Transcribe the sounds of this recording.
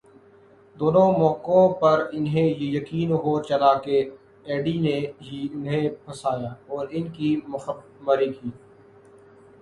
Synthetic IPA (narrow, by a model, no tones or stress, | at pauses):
d̪oːnõmɔːkõpɐɾɪnɦẽjejɐkiːnɦoːt͡ʃɐlake | ɛːɖineɦiʊnɦẽpʰɐsaːjaːɔːɾɪnkimʊ | məɾikiː